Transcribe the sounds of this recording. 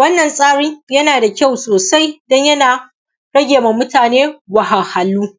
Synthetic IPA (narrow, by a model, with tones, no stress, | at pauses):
wɐ˦nːɐ˨nsʼaː˦ɽɪ˦ŋjɐ˦naː˨da˨kʲa˦˨wsoː˨sa˦jdɔ˦ɲjɐ˦naː˨ | ɽɐ˦ɡʲeː˨ma˨mːʊ˦taː˨neː˦wa˨ha˨ha˨lːuː˦